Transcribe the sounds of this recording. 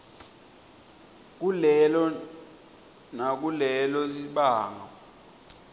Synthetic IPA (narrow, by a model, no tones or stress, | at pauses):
k̬ulɛlɔ | nak̬ulɛlɔsiɓaːŋɔ